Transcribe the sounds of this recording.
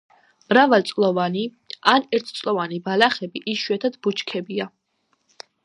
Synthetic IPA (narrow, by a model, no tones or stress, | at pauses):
mɾavalt̪sʼlˠɔvani | anɛɾt̪ʰt̪sʼlɔvanibalaχɛbiʔiʃwɛt̪ʰad̪but͡ʃkʰɛbia